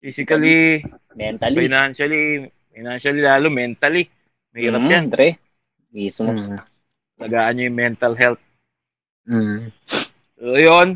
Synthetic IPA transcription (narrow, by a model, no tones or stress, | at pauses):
fiːsɪkɐli | mɛnt̪ɐlfɪnanʃɐli | fɪnanʃɐlilaːlomɛnt̪ɐli | mɐhiːɾɐpjand̪ɾɛ | iːsʊm | ɐlɐɡaːʔɐnɲojʊŋmɛnt̪ɐlɦɛlt̪̩̚ | ojon